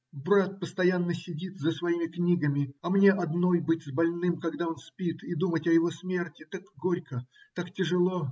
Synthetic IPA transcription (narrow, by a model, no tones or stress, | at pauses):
bɾat̪̚pəst̪ɐjanːəsʲɪdʲit̪zəsvɐimʲɪknʲiɡəmʲɪɐmnʲe̞ʔɐd̪no̞jbɨtʲzbɐlʲnɨmkɐɡd̪ao̞nspʲit̪id̪umətʲɐjɪvo̞smʲe̞rtʲɪt̪akɡo̞ɾʲkət̪aktʲɪʐɨlˠo̞